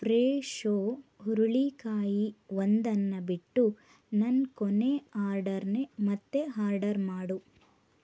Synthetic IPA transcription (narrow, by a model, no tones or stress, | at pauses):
pɾeːʂoːɦuɾuɭikaːjiʋond̪ɐnːɐbiʈːu | nɐnkoneaːɾɖɐɾnemɐt̪ːe̞ɦaːɾɖɐɾmaːɽu